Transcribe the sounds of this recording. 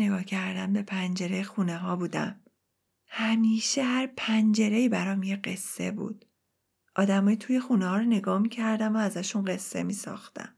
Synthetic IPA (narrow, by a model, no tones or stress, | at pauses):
eɡɒːhcʰæɾd̪ænbe̞pʰænd͡ʒe̞ɾejxuneɦɒːbuːd̪æ̰m | hæmiːʃehæɾpʰænd͡ʒe̞ɾe̞iːbæɾɒːmjeɢe̞sːe̞̰bṵːd̪̥ | ʔɒːd̪æmɒːjit̪ʰuːje̞xunehɒːɾone̞ɡɒːmicʰæɾd̪æmoæzæʃunɢe̞sːe̞̰miːsɒ̰ːxt̪æ̰n